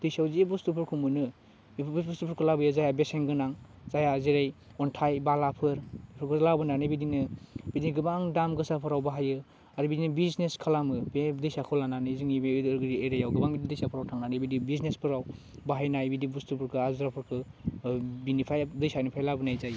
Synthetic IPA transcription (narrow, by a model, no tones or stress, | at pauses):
d̥ɯjsawziebustupʰɯɾkʰumɯnɯ | bsbustupʰɯɾkʰɯlabɯjɯzajabeseŋɡɯnaŋ | zajaziɾajɔntʰajbalapʰɯɾpʰɯɾkʰɯzlabɯnanɯbidinɯbidiɡɯbaŋdamɡɯsapʰɯɾawbaɦajɯ | aɾibidinɯbizneskʰalamɯbedɯjsakʰɔwlananɯziŋibeɾɡɾiejɾajawɡɯbaŋbididɯjsapʰɯɾawtʰaŋnanɯbidibiznespʰɯɾawbaɦajnajbidibustupʰɯɾkʰɯazuɾapʰɯɾkʰɯ | binipʰajdɯjsanɯpʰajlabɯnajzaj